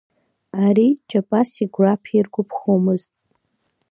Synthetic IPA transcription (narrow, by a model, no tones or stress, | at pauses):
aɾit͡ʃʰʼapʼasiɡʷrapʰirɡʷʊpʰχomɨztʼ